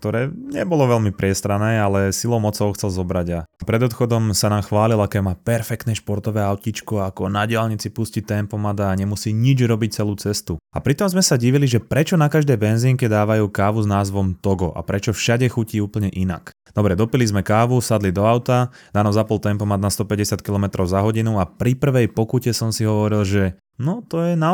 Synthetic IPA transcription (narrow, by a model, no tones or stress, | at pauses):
kt̪ɔɾɛːɲɛbɔlɔʋɛlmipɾɪɛst̪ɾanɛːalɛsilɔʊmɔt͡sɔʊxt͡sɛlzɔbɾaɟapɾɛd̪ɔt̪xɔd̪ɔmsanaːmxʋaːlilakɛːmaːpɛɾfɛk̚t̪nɛːʃpɔɾt̪ɔʋɛːaʊcit͡ʃkɔakɔnaɟɪalɲit͡sipuscit̪ɛmpɔmad̪aːɲɛmusiːɲid͡ʒɾɔbic̚t͡sɛluːt͡sɛst̪uapɾit̪ɔmzmɛsaɟiʋiliʒɛpɾɛt͡ʃɔnakaʒd̪ɛjbɛnziːŋkɛd̪aːʋajuːkaːʋuznaːzʋɔmt̪ɔɡɔʔa̰pɾɛt͡ʃɔfʃaɟɛxuciːuːpl̩ɲɛʔina̰k | d̪ɔbɾɛd̪ɔpilizmɛkaːʋusad̪lid̪ɔaʊt̪a | d̪aːnɔzapɔlˠt̪ɛmpɔmad̪nast̪ɔpɛɟɛsɪat̪kilɔmɛt̪ɾɔʊzaɦɔɟinuapɾipr̩ʋɛjpɔkucɛsɔmsiɦɔʋɔɾilʒɛ | nɔt̪ɔjɛna